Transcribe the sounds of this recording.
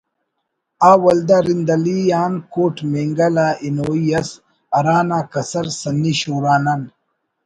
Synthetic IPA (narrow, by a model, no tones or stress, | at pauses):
aːwɐld̪aɾind̪ɐlijaːnkoːʈmeŋɡɐlaːinoːijɐs | ɐɾaːnaːkɐsɐɾsɐnːiɕoːɾaːnan